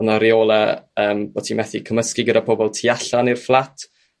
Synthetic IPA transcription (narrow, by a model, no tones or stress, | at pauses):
naɾioːlˠəəːmb̥otʰimɛθikʰəməskɪɡədapʰɔbɔlˠtʰiaɬanirflˠatʰ